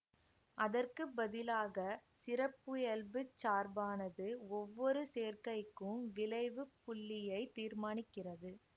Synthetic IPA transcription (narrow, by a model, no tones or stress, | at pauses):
ʔɐðɐrkɯbɐðɪlaːɣɐsɪɾɐpːɯjɐlbɯt͡ʃːaːɾbaːnɐðɯɔʋːɔɾɯseːrkɐɪkːɯmʋɪlɐɪʋɯpːʊɭːɪjɐɪt̪iːɾmaːnɪkːɪrɐðɯ